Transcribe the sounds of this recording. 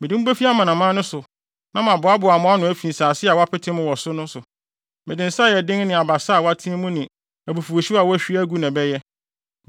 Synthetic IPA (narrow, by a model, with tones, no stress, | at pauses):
mɪ̃˨dɪ˦bæ˦fi˦a˦mã˨nã˨mãː˦nʊ̃˦sʊ˨ | nã˦mã˨bʊ˨˦a˦bʊ˨a˨mʊ̃˦a˦nʊ̃˨æ˦fĩ˨n̩˨saː˨sɪ˦a˨wa˦pʰɪ˦tʰɪ̃˦mʊ̃˦wɔ˨sʊ˦nʊ̃˦sʊ˨ | mɪ̃˨dɪ̃˨n̩˨sa˦˨jɛ˨dɪ̃˦ŋnɪ̃˨a˨ba˨sa˦˨wa˦tʰĩ˦ɛ˦mũ˦nɪ̃˨ | æ˨bu˨fu˨o˨ɕi˦a˨wæ˦ɕᶣi˦æ˦ɡu˦nã˨bɛ˦jɛ˦